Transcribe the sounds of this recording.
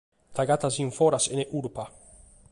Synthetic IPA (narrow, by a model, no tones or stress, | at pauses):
t̪aɡat̪aziɱfɔɾaseneʔuɾpa